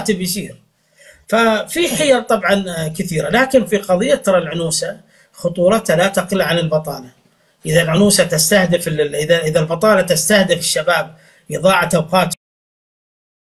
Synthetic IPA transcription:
t̪ɪbjs̬iːɾ | fafiħɪjɑˤt̪ˤɑbʕɑnkɪθiːɾalaːkɪnfiqɑðˤɨjːat̪ːɑɾˤɑlʕʊnuːsa | xʊt̪ˤuːɾˤɑt̪halat̪aqɪlʕanɪlbɑt̪ˤɑ̰ːlɑ | ʔɪðalʕʊnuːsat̪ɪst̪ahd̪ɪfɪʔɪðaʔɪðalbɑt̪ˤɑːlɑt̪ɪst̪ahd̪ɪfɪʃːabaːb̚ | ʔɨðˤɑːʕat̪awqɑːt̪

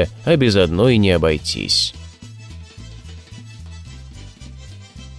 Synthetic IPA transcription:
ɐbʲɪzɐd̪nɔjinʲɪɐbɐjtʲḭsʲ

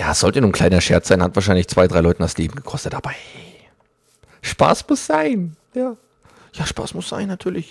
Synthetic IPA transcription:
jaːsz̥ɔltənuːnkʰl̥aɪnɐʃɛɐt͡sz̥aɪnhatv̥aːɐʃ̬aɪnlɪçt͡sv̥aɪdʁaɪlɔʏtn̩dasleːbm̩ɡəkʰɔstətʔaːbɐʔɛ | ʃpa̰ːsmʊsz̥aɪn | jaː | jaːʃpa̰ːsmʊsz̥a̰ɪnːatʰyːɐlɪç

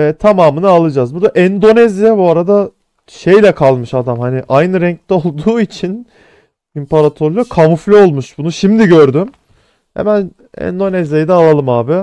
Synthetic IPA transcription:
ɛt̪ʰamaːmɯnɯalˠɯd͡ʒazbuɾd̪aʔɛnd̪o̞nɛzjabuaɾad̪a | ʃe̞jlʲɛkʰalˠmɯʃad̪amhanɪʔajnɯɾɛɲc̚t̪ɛo̞lˠd̪uːit͡ʃʰin | impaɾat̪ʰoɾlʲokʰamuflʲio̞lˠmuʃbunuʃimd̪iɟøɾd̪ym | hḛmæn | ɛ̰nd̪o̞nɛzjajid̪ɛalˠalˠɯmaːbɪ

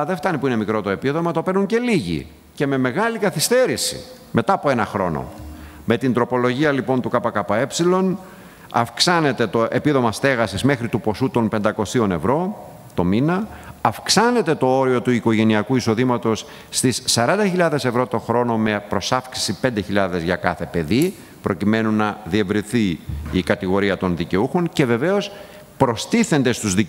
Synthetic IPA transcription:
ɐðeft̪ɐnipuine̞mikɾo̞t̪o̞e̞piðo̞mɐt̪o̞peɾnuɲce̞liʝḭ | ce̞me̞me̞ɣɐlikɐθist̪e̞ɾisḭ | me̞t̪ɐːpo̞e̞nɐxɾo̞̰no̰ | me̞t̪ind̪ɾo̞po̞lo̞ʝiɐlipo̞nt̪ukɐpɐkɐpɐe̞psilo̞n | ɐ̰fksɐne̞t̪e̞t̪o̞ʔe̞piðo̞mɐst̪e̞ɣɐsizme̞xɾit̪upo̞sut̪o̞npe̞nd̪ɐko̞sio̞ne̞̰vɾo̞ | t̪o̞minɐɐfksɐne̞t̪e̞t̪o̞o̞ɾio̞t̪uiko̞ʝe̞niɐkuiso̞ðimɐt̪o̞sː | t̪isːɐɾɐnd̪ɐçiʎɐðe̞sevɾo̞t̪o̞xɾo̞no̞me̞pɾo̞sɐfksi̥sipe̞nd̪e̞çiʎɐðe̞zʝɐkɐθe̞pe̞ði | pɾʔo̞cime̞nunːɐðie̞vɾinθiikɐt̪iɣo̞ɾiɐt̪o̞nðice̞uxo̞ŋce̞ve̞ve̞o̞s | pɾo̞st̪iθe̞nd̪e̞st̪uzði

